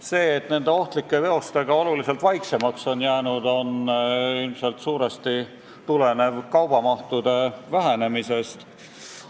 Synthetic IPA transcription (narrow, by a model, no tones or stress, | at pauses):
se̞ːt̪ne̞nd̪e̞o̞ht̪likːˑe̞ve̞o̞st̪e̞ɡ̥ɑo̞lulise̞lt̪vɑjkse̞mɑkso̞njæːnud̪̥o̞nilmse̞lt̪suːɾe̞st̪i | t̪ule̞ne̞vkɑwb̥ɑmɑht̪ud̪̥e̞væɦene̞mise̞st̪